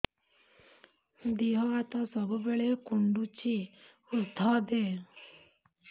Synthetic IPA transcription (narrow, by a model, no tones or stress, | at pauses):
d̪iɦɔat̪ɔsɔbubeɭekuɳɖut͡ʃʰi | ʊɾd̪ʱaːd̪eː